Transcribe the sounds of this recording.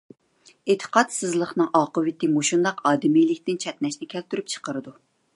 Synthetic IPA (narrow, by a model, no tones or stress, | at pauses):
et̪ʰə̥qɑt̪sɨzlˠəχnɨŋɑqəwɪt̪ɪmoʃund̪ɑqɑːd̪ɪmijlɪkʲt̪ɪnt͡ʃʰɛt̪nɛʃnɪkʲʰɛlt̪yɾyp̚t͡ʃʰə̥qəɾɨd̪u